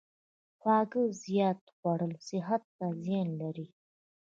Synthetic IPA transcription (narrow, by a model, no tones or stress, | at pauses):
xwɑɡəzjɑt̪ɣwaɽəlsɪɦat̪ːazjɑnlaɾi